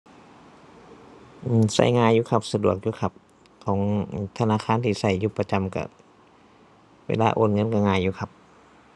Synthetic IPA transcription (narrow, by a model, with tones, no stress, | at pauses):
ʔɯː˧˩sa̰˧˩jŋaː˧˨jːuː˧kʰa˧p̚sa˧du˨˩ək̚juː˧kʰa˧˩p̚ | kʰɔː˨˦ŋ˧˩t̪ʰa˧naː˧˨kʰaː˧˥˨nt̪ʰiː˧˨sa˧˩jːuː˧˩pa˧t͡ɕa˧˨mka̰˧˩ | wḛː˧laː˧˨ʔoː˧˩n̚ŋɤ˧˥˨nka˧˩ŋaː˧˩jːuː˧kʰa˧p̚